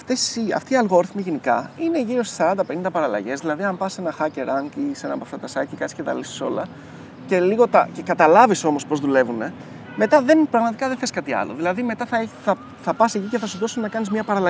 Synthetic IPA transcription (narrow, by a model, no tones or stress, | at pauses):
ɐft̪esiɐ̰ft̪iːɐlɣo̞ɾθmiʝenikɐ̰ine̞ʝiɾost̪i̥sɐɾɐnd̪ɐpe̞nind̪ɐpɐɾɐlɐ̰ʝe̞zðilɐðiɐmpɐse̞nɐxɐce̞ɾɐŋcisenɐpoɐft̪ɐt̪ɐsɐcikɐtt͡ssi̥cet̪ɐ̰lisi̥so̞lɐ | ce̞liɣo̞t̪ɐce̞kɐt̪ɐlɐviso̞mo̞spo̞zðule̞vune̞ | me̞t̪ɐðe̞npɾɐɣmɐt̪ikɐðeθeskɐt̪iɐ̰loðilɐðime̞t̪ɐθɐeθɐ | θɐpɐsiciceθɐsuðosunnɐkɐnizmɲɐpɐɾɐlɐ